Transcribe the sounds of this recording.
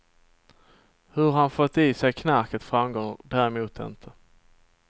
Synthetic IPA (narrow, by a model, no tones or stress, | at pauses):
hɵɾɦanfɔt̪ːiːsɛjkʰnæɾkət̪fɾamɡɔŋəd̪æːɾɛmuːt̪ʰɪ̰nt̪ʰə